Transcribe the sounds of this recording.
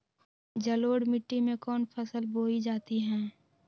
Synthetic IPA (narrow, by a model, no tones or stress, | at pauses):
d͡ʒəloːɽmɪʈːimẽkɔːnpʰəsəlboːid͡ʒaːt̪iɦɛ̃ː